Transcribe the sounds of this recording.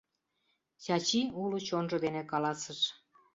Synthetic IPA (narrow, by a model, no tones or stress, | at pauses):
ɕɑt͡ɕiulut͡ɕonʒɤ̆d̪enekɑlɑsəʃ